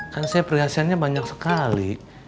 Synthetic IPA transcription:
kansajapəriɦasianɲabaɲaksə̥kalḭ

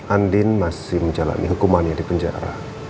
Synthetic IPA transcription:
ʔandɪnmasɪhməɲd͡ʒala̰nḭɦukumanɲadipəɲd͡ʒa̰ɾa̰

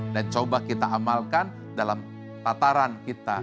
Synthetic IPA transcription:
dant͡ʃobakit̪aamalkan | dalam | t̪at̪aɾankit̪a

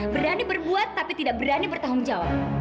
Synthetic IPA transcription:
bəɾanibərbuat̪ːapit̪idaʔ̚bəɾanibərt̪aɦʊŋd͡ʒawa̰p̚

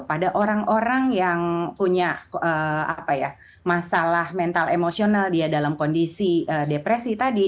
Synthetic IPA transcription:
padaʔoɾaŋoɾaŋjaŋpuɲaʔəːa̰paja | masalahmɛnt̪alemosionaldiadalamkondisiʔəːdepɾesit̪adi

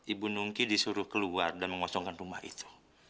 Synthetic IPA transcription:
ʔibunuŋkidisuɾʊhkəluardanməŋwasɔŋkanruma̰hḭt̪u̥

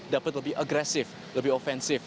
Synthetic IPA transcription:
dapət̚wɪlbiʔəɡɾɛsɪf | ɪlbiɔfɛ̃nsɪf

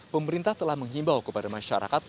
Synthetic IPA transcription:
pəməɾint̪aht̪əlahməŋɦimbawkəpadamaʃa̰ɾa̰kat̪̚

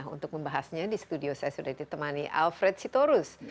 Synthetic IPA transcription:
ɦṵnt̪ʊk̚məmbaɦasɲadisə̥t̪udiosajasudahdit̪əmaniʔa̰lfɾɛt̪̚sit̪oɾʊs

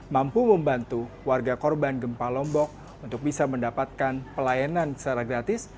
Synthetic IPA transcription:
mampuməmbant̪u | warɡakɔrbanɡəmpalɔmbɔk̚ | unt̪ʊk̚bisaməndapat̪̚kanpəlajanansaɾaɡɾat̪ɪs

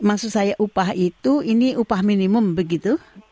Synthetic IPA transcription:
maksuʔsajaʔupaɦit̪uiniʔupahminiməmbəɡit̪u

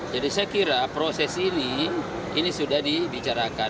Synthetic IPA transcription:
d͡ʒadisɛkiɾapɾɔsɛsini | inisudahdibit͡ʃaɾaka

